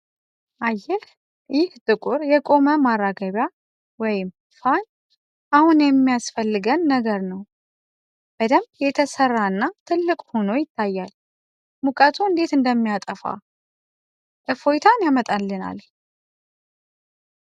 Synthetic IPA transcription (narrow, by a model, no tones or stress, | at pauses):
ʔajːɛl | jɪht̪ʼɨkʼʊɾjɛkʼo̞məmarːaɡəβja | wɔjɪm | faɲ | ʔahunjɛmːijasfəlːɨɡənːəɡəɾnəw | b̥əd̪əmjɛt̪ʰəsərːaɨnːat̪ʰɨlːɨkʼho̞no̞jɪt̪ʰːajːal | mukʼət̪ʰuɨnd̪e̞t̪ɨnd̪əmːijat̪ʼəfa̰ | ʔɨfojt̪ʰanjamət̪ʼalːɨna̰l